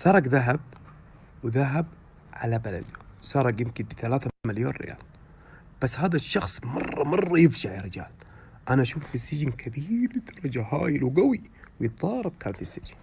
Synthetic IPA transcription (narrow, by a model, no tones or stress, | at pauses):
sˤɑːɾˤɑkðaɦab̚ | wðaɦab̚ | ʕalabala̰d̪ʊsɑːɾˤɑkjɪmkɪnbθalaːθamaljo̰ːnɾɪ̰ja̰ːl | b̥asːhaːðaʃːɑxsˤmɑrˤːɑmɑrˤːɑjɪfd͡ʒaʕɾɪd͡ʒa̰ːl | ʔanaʔaʃuːfbisːɪd͡ʒɪnkʰabiːɾd̪ɑɾˤɑd͡ʒaha̰ːjɪlwɡawi | wjɪt̪̚ˤðˤɑːɾˤɑb̚kʰaːnfisːɪd͡ʒɪn